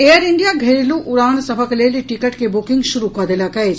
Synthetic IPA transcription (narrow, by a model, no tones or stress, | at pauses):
eːɐɾiɳɖijaːɡʱeɾiluʔuɾaːnɐsɐbʱɐkɐleːliʈikɐʈkebukiŋɡʃuɾukaːd̪elaːkɐe